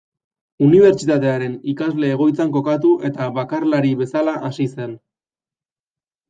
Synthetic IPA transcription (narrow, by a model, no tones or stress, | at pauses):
uniβ̞e̞ɾt͡ʃit̪at̪e̞aɾe̞nikazle̞ːɣ̞o̞jt͡saŋko̞kat̪̬uʔe̞t̪aβakarlaɾiβe̞salaʔasise̞n